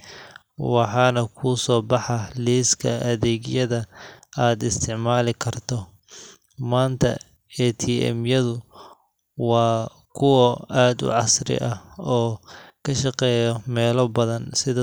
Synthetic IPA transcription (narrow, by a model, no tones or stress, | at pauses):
wɑħɑːnɐkʰuːsɔːbɑħɑliːskʰɐʔɐðɛːɣjɐðɐaːd̪ɪst̪ʰɪʕmaːlɪkʰɐrt̪ʰɔ | maːnt̪ʰɐ̰ | ɛt̪ʰiːɛ̰mjɐðʊ | wɑː | kʰʊwɔaːd̪ʊ̰ʕɑsrɪ̰ʔɐɔːkʰɐʃɑqɛːjɔmɛːlɔbɐðɐnsɪðɐ